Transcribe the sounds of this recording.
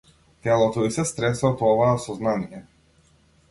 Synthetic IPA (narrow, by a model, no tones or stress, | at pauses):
t̪ɛlˠɔt̪ɔisɛst̪ɾɛsɔt̪ɔvaːsɔznanijɛ